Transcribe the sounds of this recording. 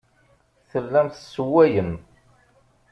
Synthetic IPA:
θəlːæmθəsːəwːæjəm

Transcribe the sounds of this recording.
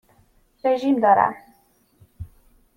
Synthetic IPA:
rɛʒimd̪ɑɾa̰

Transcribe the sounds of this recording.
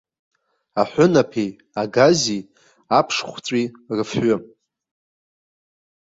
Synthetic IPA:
aħʷʊnapʰej | aɡazi | apʰʂχʷt͡sʷʼi | rɨfħʷʊ

